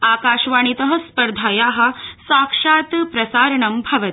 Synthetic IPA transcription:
aːkaːʃʋaːɳ̃it̪ɐɦɐ̆spɐɾd̪ʱaːjaːɦɐ̆saːkʂaːt̪pɾɐsaːɾɐɳɐmbʱɐʋɐt̪

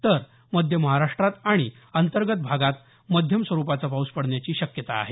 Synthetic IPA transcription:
t̪əɾ | məd̪ʱjəməɦaɾaʂʈɾat̪aɽ̃i | ənt̪əɾɡət̪̚bʱaɡat̪̚ | məd̪ʱjəmsʋəɾupat͡sapauspəɽɳjat͡ɕiːɕəkjət̪a̰ːɦe

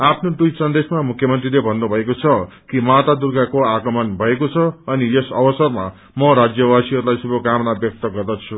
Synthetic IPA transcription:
apʰnod̪ujsʌnd̪esmamukʰjʌmʌnt̪rilebʱʌnːobʱʌekot͡sʰʌ | kimat̪ad̪urɡakoaɡʌmʌnbʱʌekot͡sʰʌʌnijesʌbʌsʌrma̰ | mʌɾad͡zjʌwasiɦʌɾulajsubʱʌɡamnabjʌk̚t̪ʌɡʌrd̪ʌt͡sʰu

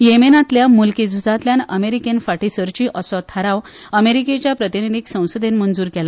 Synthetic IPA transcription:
jemenat̪ljamulkid͡zʱud͡zat̪ljanəmeɾikenfaʈisəɾt͡ɕiːʔəsɔt̪ʰəɾãʋ | əmeɾiket͡ɕjapɾət̪inid̪ʱiksə̃w̃səd̪enmənd͡zuːɾkɛla

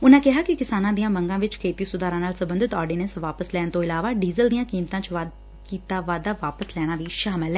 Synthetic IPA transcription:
ʊnãːkɪɦaːkɪkɪsaːnãːd̪ijãːməŋɡãːʋɪt͡ʃkʰeːt̪iːsʊd̪aːɾãːnaːlsəbə̃nd̪ʱɪt̪ɔːɾɖiːnə̃nsʋaːpəslɛːɳt̪õːɪlaːʋaːɖiːzəld̪ijãːkiːmt̪ãːt͡ʃʋad̪ | kiːt̪aːʋaːd̪aːʋaːpəslɛːɽ̃aːʋiːʃaːmɪlɛː

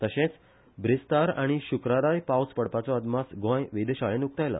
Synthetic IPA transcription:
t̪əɕẽt͡s | bʱɾist̪aɾa̰ɽ̃iɕukɾaɾajpawspəɽpat͡sɔəd̪masɡɔ̃jʋed̪eɕaɭẽnuk̚t̪ajla̰

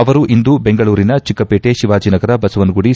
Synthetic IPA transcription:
ɐʋɐɾuʔind̪ubeŋɡɐɭuːɾinɐt͡ʃikːɐpeːʈeʃiʋaːd͡ʒiːnɐɡɐɾɐbɐsuʋɐnɡuɽi

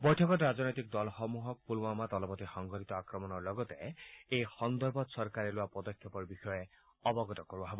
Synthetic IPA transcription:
bɔjtʰɔkɔtɾad͡ʒɔnɔjt̪ik̚d̪ɔlɔxɔmuɦɔk̚pulwɔmat̪ɔlɔpɔt̪ixɔŋɡʱɔtit̪ɔakɾɔmɔnɔɹlɔɡɔt̪eejxɔnd̪ɔɾbɔt̪sɔɾkaɾeloapɔd̪ɔkʰːepɔɾbixɔje | ɔbɔɡɔt̪ɔkɔɾubɔɦebɔ

